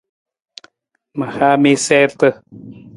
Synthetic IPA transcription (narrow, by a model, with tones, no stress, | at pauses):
ma˨ha˦mi˦se˦ɾt̪ə˧˨